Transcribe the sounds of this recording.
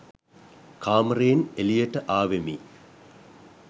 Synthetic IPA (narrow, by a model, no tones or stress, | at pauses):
kaːmreːnelijɐʈːəʔaːʋemi